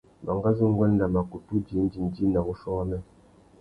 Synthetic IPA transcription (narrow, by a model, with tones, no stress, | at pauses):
ma̰˨ŋɡa˦zu˦ŋ˦ɡɔ˦n˦da˨ma˨ku˨tu˦d͡ʒi˨˦n˦d͡ʒi˨n˨d͡ʒi˦na˨bu˦ʃɔ˦nɛ˦